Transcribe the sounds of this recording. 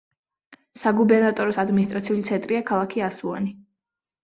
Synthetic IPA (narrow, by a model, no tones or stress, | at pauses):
saɡubɛɾnat̪ʼɔɾɔsad̪minist̪ʼɾat̪sʰiulit̪sʰɛnt̪ʼɾiakʰalˠakʰiasua̰ni